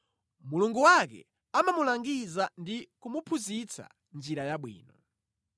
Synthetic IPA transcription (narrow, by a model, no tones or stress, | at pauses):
muluŋɡuwakɛ̰ | amamulaŋɡizandikumupʰuzit͡sʰa̰ | nd͡ʒiɾajaɓwḭːnɔ